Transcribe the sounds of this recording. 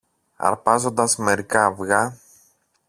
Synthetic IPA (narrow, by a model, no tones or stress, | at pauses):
ɐ̰ɾpɐzo̞nd̪ɐzme̞ɾikɐːvɣɐ